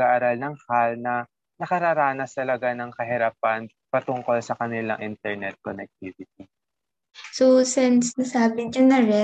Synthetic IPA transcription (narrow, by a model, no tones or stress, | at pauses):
aʔaɾalnɐŋhalnɐ | nɐkɐɾaːɾaːnɐst̪ɐlɐɡanɐŋkɐɦɪɾaːp̚ɐn | pɐt̪ʊŋko̞lsɐkɐnɪla̰ŋʔɪnt̪ɛɹnɛt̪̚konɛk̚t̪ivɪt̪̚i | sosɛnsnɐsaːbɪɲɐnɐɾɛ